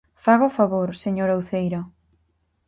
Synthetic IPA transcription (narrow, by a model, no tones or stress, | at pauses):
faɣofaβoɾseɲoɾawθejɾo